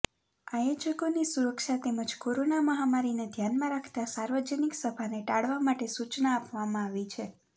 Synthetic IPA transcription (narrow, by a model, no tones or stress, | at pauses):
ajod͡ʒəkonisuɾəkʃat̪eməd͡ʒkoɾonaməɦamaɾined̪ʱjanmãɾakʰt̪asaɾʋəd͡ʒəniksəbʱaneʈaɽʋamaʈesut͡ʃnaːpʋamãaʋit͡ʃʰe